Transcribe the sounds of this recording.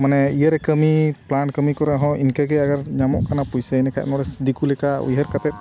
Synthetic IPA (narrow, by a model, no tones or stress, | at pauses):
manɛijəɾɛkəmiplankəmikɔɾɛaɦɔ̃ʔinkaɡɛaɡaɾɲamɔ̰ʔkanapujsɛnɛkʰa̰jʔnɔɾɛsdikulɛkaṵjɦəɾkat̪ɛt̪̚